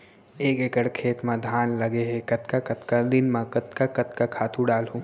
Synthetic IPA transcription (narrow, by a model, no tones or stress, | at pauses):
eːkekəɽkʰeːt̪mãd̪ʱaːnlɐɡeɦekɐt̪kakɐt̪kad̪ɪnmãkɐt̪kakɐt̪kakʰaːt̪ʰũɖaːlɦũː